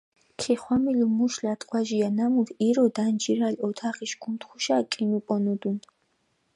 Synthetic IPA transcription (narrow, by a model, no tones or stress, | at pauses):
kʰiχwamilumuʃlat̪ʼqʼwaʒijanamuɾiɾɔd̪and͡ʒiɾalɔt̪ʰaχiʃɡ̥unt̪χuʃakʼinupʼɔnud̪un